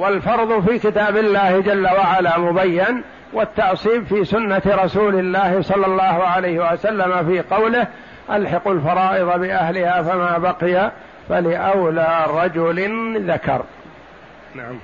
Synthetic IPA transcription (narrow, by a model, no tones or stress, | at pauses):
walfɑɾˤðˤʊfiːkɪt̪aːbɪlːaːhɪd͡ʒalːawaʕalaːmʊbajːɪn | wat̪ːɑʕsiːbfiːsʊnːat̪ɾˤɑsuːlɪlːaːhɪsˤɑlːɑlˤːɑːɦʊʕalajhɪwasalːamafiːqɑwlɪh | ʔalħɑqʊlfɑɾˤɑːʔɪðˤɑbɪʔahlɪhaːfamaːbaqɪja | falɪʔawlaːɾˤɑd͡ʒʊlɪnðakɑ̰ɾˤ | naʕam